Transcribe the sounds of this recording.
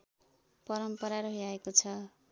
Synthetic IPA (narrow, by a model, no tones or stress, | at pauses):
pʌɾʌmpʌɾaɾʌɦiaekot͡sʰʌ